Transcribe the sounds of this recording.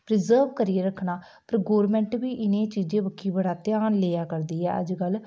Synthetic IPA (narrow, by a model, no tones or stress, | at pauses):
pɾɪzəːɾʋkəɾijeːɾəkʰnaː | pəɾɡoːɾmɛ̃ːɳʈbiːʔɪnẽːt͡ʃiːd͡ʒẽːʋəkʰːiːbəɽaːt̪ɪjaːnleːaːkəɾd̪iːɛ̰ːʔə̰d͡ʒɡəl